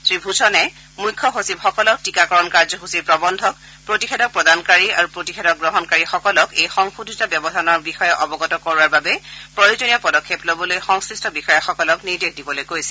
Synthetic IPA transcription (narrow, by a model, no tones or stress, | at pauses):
sɹibʱuzʰʱɔnɛ | mujkʰːɔɦosibxɔkɔlɔk̚tikakɔɹɔnkaɹzɔɦusipɹɔbɔndʱɔk | pɹotixʰedɔk̚pɹɔdankaɹiaɹupɹotixʰedɔk̚ɡɹɔɦɔnkaɹixɔkɔlɔkejxɔŋxudʱitabjɔbɔdʱanɔɹbixɔjɛʔɔbɔɡɔtɔkɔɹwaɹbabɛpɹojozɔnijɔpɔdɔkʰːeplobɔlojxɔŋskɹistɔbixɔjɛxɔkɔlɔkniɹdexdibɔlojkojsɛ̥